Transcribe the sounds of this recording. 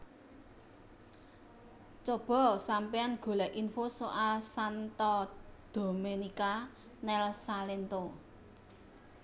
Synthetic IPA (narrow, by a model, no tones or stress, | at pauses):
t͡ʃob̥ɔ̤sampijanɡ̥o̤lɛʔʔinfosoʔalsant̪ɔd̪̥o̤menika | nɛlsalent̪o